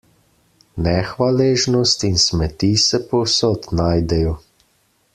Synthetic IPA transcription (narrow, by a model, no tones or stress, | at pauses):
nɛxʋaleːʒnɔst̪insmɛt̪isɛpɔwsɔt̪naːjd̪ɛjɔ